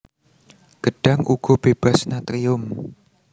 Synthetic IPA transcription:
ɡ̥əɖ̥a̤ŋuɡ̥ɔ̤b̥eb̥a̤snat̪ɾiʊm

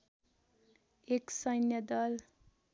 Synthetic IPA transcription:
eksʌjnjʌd̪ʌl

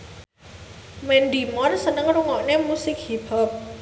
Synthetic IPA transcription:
mɛndimɔrsənəŋruŋɔʔnemusɪk̚hibɔp̚

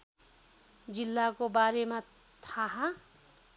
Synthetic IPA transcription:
d͡zilːakobaɾema | t̪ʰaɦã

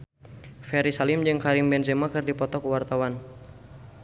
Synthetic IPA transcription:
fɛɾisalɪmd͡ʒɨŋkaɾimbɛnzɛmakɨrdipɔt̪ɔkuwart̪awan

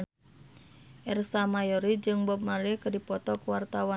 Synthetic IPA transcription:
ʔɛrsamajɔɾid͡ʒɨŋbɔp̚maɾɛkədipɔt̪ɔkuwart̪awa

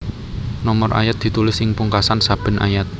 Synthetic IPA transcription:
nɔmɔrʔa̰jat̪̚d̪i̤t̪ulɪsɪŋpuŋkasansab̥ə̤nʔa̰jat̪̚

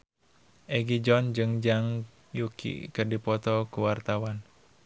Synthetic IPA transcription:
ʔeɡid͡ʒɔnd͡ʒɨŋd͡ʒaŋ | jukʰḭkərdipɔt̪ɔkuwart̪awan

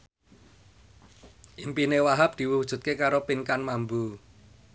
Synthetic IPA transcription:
ʔimpinewaɦap̚d̪̥i̤wuwud̥ʒ̥ṳt̪̚kekaɾopiŋkanmambu

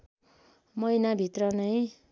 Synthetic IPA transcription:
mʌjnabʱit̪rʌnʌj

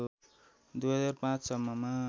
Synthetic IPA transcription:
d̪ujɦʌd͡zarpãt͡ssʌmːʌma

